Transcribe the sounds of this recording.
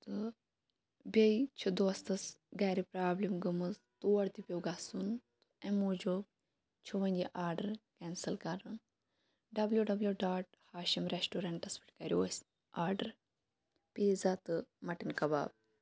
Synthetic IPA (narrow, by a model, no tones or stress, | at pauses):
t̪ɨ | bʲɐjt͡ʃʰud̪ost̪ɐsɡaːɾipɾaːblimɡɨmɨzt̪uːɐɽt̪ipʲewɡasunt̪uemuːd͡ʒub | t͡ʃʰuʋɐnʲd͡ʒʲiʔaːɾɖɐɾkɛːnsɐlkɐɾɨn | ɖɐbljuɖɐbljuɖaːʈ | haːʃimɾesʈuːɾɐɳʈɐspʰi̥ʈkɐɾʲioːs | aːɾɖɐɾ | piːzat̪ɨmɐʈinkɐba̰ːb̚